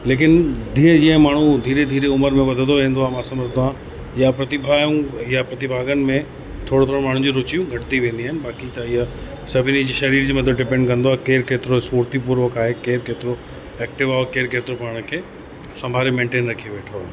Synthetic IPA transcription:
leːk̬ɪnd̪ʱiːə̃d͡ʑiə̃maːɳ̤ũd̪ʱiːɾed̪ʱiːɾeʊməɾmẽʋɐd̪ʱə̃nd̪oʋẽːnd̪oaːemãːsɐməɾt̪oãː | ɪjapɾɐt̪ɪbʱaːjũɪjapɾɐt̪ɪbʱaːɡənɪ̆mẽ | t̪ʰoːɽot̪ʰoːɽomaːɳ̤ũd͡ʑuɾʊt͡ɕijũɡʱɐʈɪt̪iʋẽːn̆d̪iaːɦɪnɪ̆baːkit̪ɐɪɦa | sɐbʱɪnid͡ʑiʃɐɾiːɾd͡ʑimɐt̪ʰəbɖɪpɛ̃ːɳɖkɐ̃nd̪oaːɦekeːɾkeːt̪ɪɾosuːɾt̪ipuːɾʋəkaːɦekeːɾkeːt̪ɪɾo | ɛːk̚ʈɪʋaːɦekeːɾkeːt̪ɪɾopaːɽ̃kʰeː | sɐ̃mbʱaːɾemẽːɳʈeːnɾɐkʰieʋeːʈʰoaːɦe

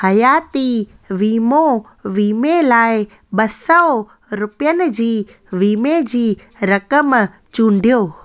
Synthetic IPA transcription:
hɐjaːt̪i | ʋiːmo | ʋiːmelaːɪ | ɓɐsə | ɾʊpijənɪ̆d͡ʑiː | ʋiːmed͡ʑiː | ɾɐkəm | t͡ɕũːɳɖʱijoː

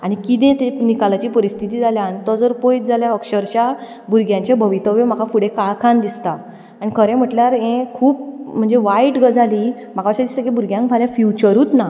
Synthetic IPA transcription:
aɽ̃ikit̪̬ẽt̪enikalat͡ɕiːpəɾist̪ʰit̪iːd͡zaljant̪ɔd͡zəɾpojt̪̚d͡zʱaljaəkɕəɾt͡ɕja | buɾɡjãɲt͡ɕebʱəʋit̪əʋem̤akʰafuɽekaɭkʰãnd̪ist̪aː | ñikʰəɾẽm̤əʈljaɾẽkʰuːpm̤əɳd͡zeʋajʈɡəd͡zaliː | m̤akʰaəɕəd̪ist̪ekibuɾɡjãŋkd͡zʱaljafjut͡ɕəɾuːt̪na

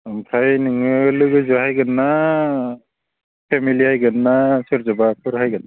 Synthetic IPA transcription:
ɯmpʰɾajnɯŋɯlɯɡɯzɯɦajɡɯnːa | pʰemilihajɡɯnːasɯɾzɔbapʰɯɾɦajɡɯna

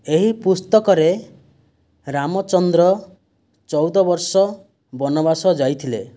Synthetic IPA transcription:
eɦipust̪ɔkɔɾe | ɾamɔt͡ʃɔnd̪ɾɔ | t͡ʃɔwd̪ɔbɔɾsɔ | bɔnɔbasɔd͡ʒajt̪ʰile

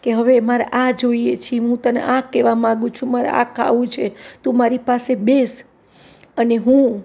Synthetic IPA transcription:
keɦəʋemaɾa̰ʔad͡ʒoijet͡ʃʰiɦũt̪ənḛʔãkːeʋamãɡũt͡ʃʰũmaɾa̰a̰kʰa̰ʋũt͡ʃʰet̪ũmaɾipasebes | əneɦũ

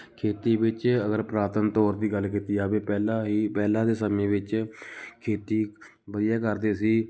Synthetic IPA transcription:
kʰeːt̪iːʋɪt͡ʃəɡəɾpɾaːt̪ənt̪oːɾd̪iːɡəlk̬iːt̪iːaːbeːpɛːlãːɦiːpɛːlãːd̪eːsəmẽːʋɪt͡ʃkʰeːt̪iː | bəd̪ɪjaːkəɾd̪eːsiː

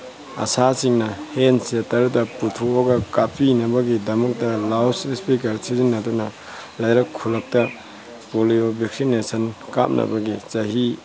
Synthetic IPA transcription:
ɐ̰sasiŋnɐhensetɐɾutɐputʰuoɡɐkapinɐbɐɡidɐmɐk̚tɐlawsɾispikɐɾsizinːɐdunɐ | lajɾɐkʰːulɐk̚tɐ | poliobʱeksinesɐnka̰p̚nʔɐ̰bɐɡit͡ʃɐɦi

